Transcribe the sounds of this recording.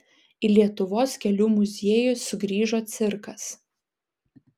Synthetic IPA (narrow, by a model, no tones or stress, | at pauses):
ɪlʲiɛt̪ʊʋoːskʲɛlʲuːmʊzʲeːjʊsʊɡɾʲiːʒoːt̪sʲɪɾkɐs